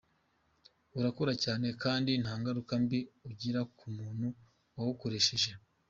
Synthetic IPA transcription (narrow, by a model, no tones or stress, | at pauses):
uɾakoɾacaːne̞kaːndinhaːŋɡaɾukambiuɟiɾakʰumuːn̥hu | wawuko̞ɾe̞ʃe̞ʒe̞